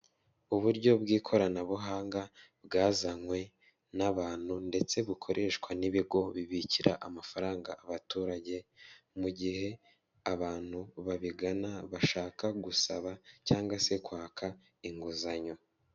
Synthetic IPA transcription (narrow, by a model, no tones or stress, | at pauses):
uβuɾɟo̞bɡiːkʰo̞ɾanaβuɦaːŋɡa | bɡaːzaŋwe̞ | naβaːn̥hunde̞t͡se̞βukʰo̞ɾʔe̞ːʃkwaniβiɡo̞βiβiciɾaʔamafaɾaːŋɡaʔaβatuːɾaɟe̞muɟihe̞ | aβaːn̥huβaβiɡanaβaʃaːkaɡusaβacaːŋɡwase̞kwaːkʰa | iŋɡuzaɲo̞